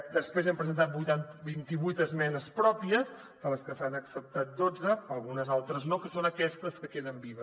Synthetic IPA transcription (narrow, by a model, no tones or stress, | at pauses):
d̪əspɾezampɾəzənt̪at̪̚but̪anbint̪iβujt̪əzmɛnəspɾɔpiəs | dələskəsanəksəp̚t̪at̪̚d̪od͡zəpəlˠɣunəzalˠt̪ɾəznokəsonəkɛst̪əskəkeðəmbiβə